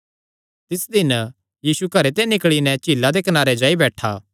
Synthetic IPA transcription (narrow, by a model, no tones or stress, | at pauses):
t̪ɪsd̪ɪn | jiːsukɐɾet̪̬enɪkɭinɛt͡ʃiːlːad̪ekɐnaːɾed͡ʒaːibɛːʈʰaː